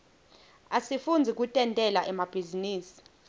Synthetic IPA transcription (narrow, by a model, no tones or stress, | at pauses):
asifund͡zʱik̬ʼutʼɛntʼɛlaʔɛmab̥ʱiziniːsi̥